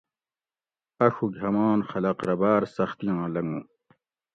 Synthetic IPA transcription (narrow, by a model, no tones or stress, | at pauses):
ɐɕuɡʱɐmaːnxɐlɐqɾɐbaːɾsɐxt̪ijãːlɐŋɡũː